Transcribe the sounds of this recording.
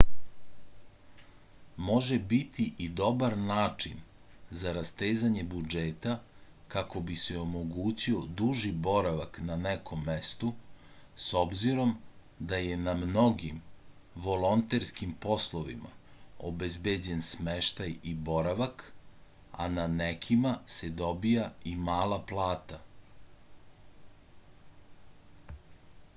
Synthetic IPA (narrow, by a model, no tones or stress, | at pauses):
mo̞ʒebit̪ʰiʔid̪o̞baɾnaːt͡ʂin | zaɾast̪eːzaɲebud͡ʒeːt̪a | kako̞biseo̞mo̞ɡuːt͡ɕio̞d̪uʒibo̞ɾaʋaknanekʰo̞mːest̪u | so̞bziɾo̞m | d̪aje̞namno̞ɡim | ʋo̞lo̞nt̪eɾskimpo̞slˠo̞ʋḭma̰obezbed͡ʑe̞nsmeʃt̪ajibo̞ɾaʋak | a̰nanekʰimased̪o̞bijaimaːlaplˠaːt̪a